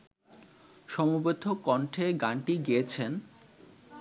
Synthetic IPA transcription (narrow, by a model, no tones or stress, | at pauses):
ʃɔmobed̪ʱːokɔɳʈʰeɡaɳʈiɡiet͡ɕʰen